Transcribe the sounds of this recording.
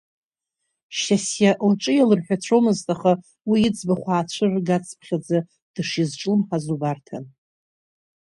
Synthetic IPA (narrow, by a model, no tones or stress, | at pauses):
ʃasjaʔlʈ͡ʂʼɨjalɨrħᶣat͡ɕʷʰomɨztʼaχa | wiɪd͡zbaχʷaːt͡ɕʷʰɨrɡat͡sʼpʰχʲad͡zɨ | d̥ɨʂizʈ͡ʂʼlɨmħazubartʰan